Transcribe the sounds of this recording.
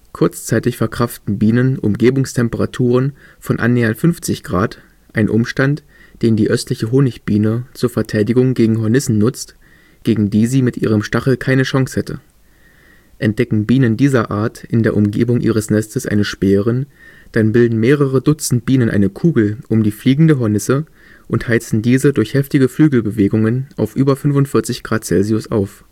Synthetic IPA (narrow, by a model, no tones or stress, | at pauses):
kʰʊɐt͡st͡saɪtɪçfɛɐkʁ̥aftn̩biːnənʔʊ̰mɡeːbʊŋstʰɛmpəʁatʰuːʁ̞ənfɔnʔa̰nːɛːɐntfʏnft͡sɪçɡ̥ʁa̰ːt | ʔaɪnʔʊmʃtant | d̥eːndiːʔœstlɪçəɦoːnɪçb̥iːnət͡suːɐfɛɐtʰaɪdɪɡʊŋɡeːɡŋ̩ɦɔɐnɪsn̩nʊt͡st | ɡ̥eːɡŋ̩diːziːmɪtʔiːʁ̞əmʃtaχl̩kʰaɪnəʃaŋshɛtʰə̰ | ʔɛnt̚d̥ɛkŋ̩biːnəndiːzɐʔa̰ːɐtʔɪndeːɐʔʊmɡḛːbʊŋʔḭːʁ̞əsnɛstəsʔa̰ɪnəʃpɛːʁən | d̥anbɪldn̩meːʁ̞əʁədʊt͡sn̩t̚b̥iːnənʔa̰ɪnəkʰuːɡl̩ʔʊmdiːfliːɡŋ̩dəɦɔɐnɪsə | ʔʊnthaɪt͡sn̩diːzədʊɐçhɛftɪɡəflyːɡl̩bəveːɡʊŋənʔa̰ʊfʔyːbɐfʏnfʊntfɪɐt͡sɪçɡ̥ʁaːt̚t͡sɛlziʊsa̰ʊf